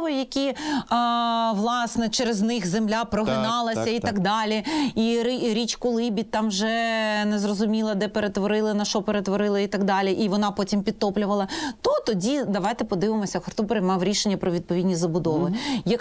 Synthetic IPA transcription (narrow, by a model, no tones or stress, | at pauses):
ʋɔjjɐkʲi | ʋlˠɑsnɛt͡ʃɛɾeznɪxzemlʲapɾɔɦɪnɑlˠɐsʲɐit̪ɐɡd̪ɑlʲiiɾɾʲit͡ʃkʊlˠɪbʲit̪ːɑmʒɛnɛzrɔzʊmʲilˠɐd̪ɛpeɾet̪ʋɔɾɪlˠɪnɐʃɔpeɾet̪ʋɔɾɪlˠɐit̪ɐɡd̪ɑlʲiʔiʋɔnɑpɔtʲimpʲid̪̚t̪ɔplʲʊʋɐlˠɐt̪ɔt̪ɔdʲid̪ɐʋɑjt̪ɛpɔd̪ɪʋɪmɔsʲɐxɔrt̪ɔpɾɐjmɑʋɾʲiʃenʲːɐpɾɔʋʲid̪̚pɔidʲnʲizɐbʊd̪ɔʋɪjɐk